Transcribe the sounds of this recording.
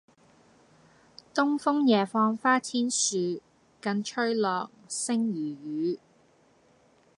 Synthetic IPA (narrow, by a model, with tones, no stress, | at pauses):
t̪ʊ˥ŋfʊ˥ŋjɛː˨˩fɔː˧ŋfaː˥t͡sʰiː˥nsyː˨˧ | kɐ˧nt͡ʃʰɵ˥ɥlɔː˨k̚sɪ˥ŋjyː˨˩jyː˨˧